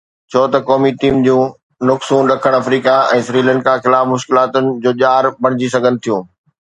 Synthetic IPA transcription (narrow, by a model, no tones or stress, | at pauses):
t͡ɕʰoːt̪ɐkɔːmiʈiːmd͡ʑũː | nʊksũːnɗɐkʰəɽ̃ɐfɾiːkaɛ̃ːsɾiːlɛ̃ɳɖkaxɪlaːfmʊʃkɪlaːt̪ʊnɪ̆d͡ʑoːʄaːɾbɐɽ̤̃ɪd͡ʑis̬ɐɡʱənɪ̆t̪ʰijũː